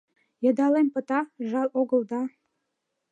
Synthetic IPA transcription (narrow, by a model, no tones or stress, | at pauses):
jɤ̆d̪ɑlempə̆t̪ɑʒɑlˠoɣə̆ld̪ɑ